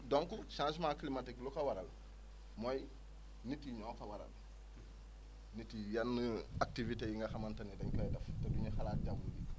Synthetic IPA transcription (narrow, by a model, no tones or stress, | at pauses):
dɔŋkuʃãːsmãːklimatiklukɐwɐɾɐl | mɔj | nitiɲɔ̃ːkɐwɐɾɐ̰l | nitijɐnːak̚tivitejiŋɡɐxɐmɐntɐnidɐŋkɐjdɐftɛduɲɐxɐlaːt̚ɟambuɡi